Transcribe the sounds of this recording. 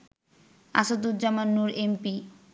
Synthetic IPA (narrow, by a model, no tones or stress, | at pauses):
a̰sod̪ud͡ʑamanːuɾempi